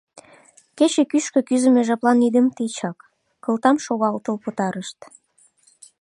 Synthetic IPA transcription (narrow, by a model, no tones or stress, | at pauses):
ket͡ɕekyʃkø̆kyzə̆meʒɑplɑnid̪ə̆mt̪it͡ɕɑkː | ə̆lt̪ɑmʃoɣɑlt̪əlpət̪ɑɾəʃt̪